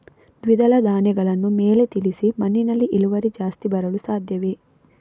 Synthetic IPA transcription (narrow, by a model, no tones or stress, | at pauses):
d̪ʋid̪ɐlɐd̪aːnɛɡɐɭɐnːumeːlet̪ilisimɐnːinɐlːiʔiluʋɐɾid͡ʒaːst̪ibɐɾɐlusaːd̪ʱjɐʋi